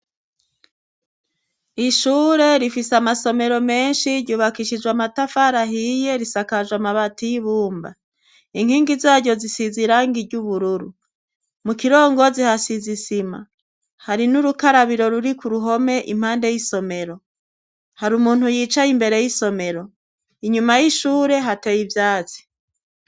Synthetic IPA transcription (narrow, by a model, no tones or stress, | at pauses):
iʃuːɾe̞ɾifisamaso̞me̞ɾo̞me̞ːnʃiɾɟuːβakiʃid͡ʒwamatafaɾaɦije̞ɾisakad͡ʒwamaβatijiβuːmba̰ | iŋ̥hiːŋɡizaːɾɟo̞zisiziɾaːŋɡiɟuβuɾuɾu | mukiɾo̞ːŋɡo̞zihasizisima̰ | haɾinuɾukaɾaβiɾo̞ɾuɾikuɾuɦo̞me̞ʔḭm̥haːnde̞jiso̞me̞ɾo̞ | haɾumuːn̥hujiːt͡ʃajimbe̞ɾe̞jiso̞me̞ɾo̞ | iɲumajiʃuːɾe̞ɦatejivjaːt͡si̥